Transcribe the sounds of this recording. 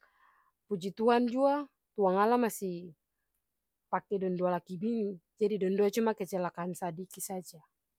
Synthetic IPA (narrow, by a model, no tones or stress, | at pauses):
pud͡ʒit̪uand͡ʒua | t̪uaŋalamasi | pakɛdɔndualakibinid͡ʒadidɔnduat͡ʃumakɛt͡ʃɛlakansadikisad͡ʒa